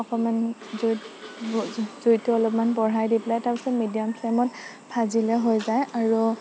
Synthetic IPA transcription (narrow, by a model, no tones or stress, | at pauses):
ɔkɔmanz | zujtʊɔlɔpmanbɔɹajdiplajtaɹpisɔmidiɔmpʰlemɔt | pʰazilɛɦojzajaɹu